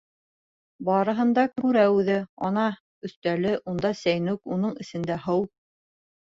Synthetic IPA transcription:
bɑɾɤ̆ɦɤ̆nd̪ɑkʉɾæʉðɘɑnɑ | ɵ̆θt̪ælɘʔund̪ɑsæjnʉkunɤɴɘ̆sɘ̆nd̪æɦɤw

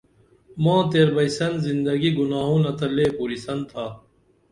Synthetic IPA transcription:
mãːt̪eːɾbɐisɐnzind̪ɐɡiɡunaːɦõːnɐt̪ʰɐleːpuːɾisɐnt̪ʰaː

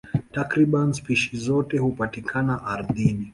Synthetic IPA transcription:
takɾiɓanspiʃizɔtɛhupatikʰanaʔaɾðini

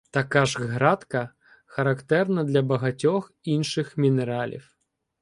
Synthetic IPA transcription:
t̪akaʐɣɾat̪kɐ | xɐɾakt̪ɛrnɐd̪lʲɐbɐɣat͡sʲɔx | inʃɨxmʲinɛɾalʲḭw

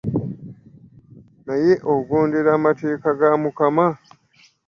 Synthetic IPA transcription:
naje̞ʔoɡoːnde̞ɾaːmate̞ːkaɡamukama

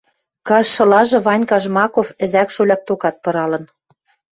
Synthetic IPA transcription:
kɑʃʃɤ̆lɑʒɤ̆βɑnʲkɑʒmɑkofɘ̆zækʃolʲɑk̚t̪okɑt̪̚pɤ̆ɾɑlɤ̆n

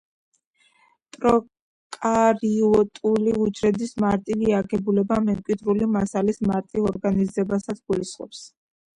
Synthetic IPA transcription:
t̪ʼɾɔ | kʼaɾiɔt̪ʼuliud͡ʒɾɛd̪ismaɾt̪ʼiviaɡɛbulɛbamɛmkʼwid̪ɾulimasalismaɾt̪ʼivɔɾɡanizɛbasat̪sɡ̥ulisχʼɔ̰ps

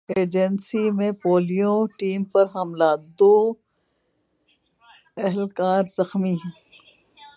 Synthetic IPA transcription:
eːd͡ʒənsimẽpoːlijõʈiːmpɐɾɦɐmlaːd̪oː | ɛɦɛlkaːɾzɐxmĩː

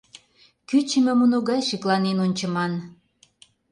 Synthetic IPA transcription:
kyt͡ɕə̆mĕmunoɣɑjʃiklˠɑnenonʲt͡ɕə̆mɑn

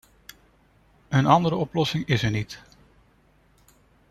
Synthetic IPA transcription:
ənɑndəɾəɔplɔsɪŋɪsəɹnit

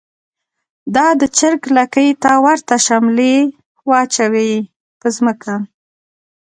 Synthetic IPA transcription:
d̪ɑd̪ət͡ʃɪɾklakəjt̪awaɾt̪aʃamle | wɑt͡ʃawej | pəzməkʰa

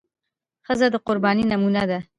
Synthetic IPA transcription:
xəzad̪əqʊɾbɑːninamunad̪a

